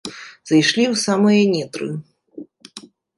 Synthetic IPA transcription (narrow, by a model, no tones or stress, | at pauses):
zɐjʂlʲiwsamɨjɐnʲɛt̪ɾɨ̰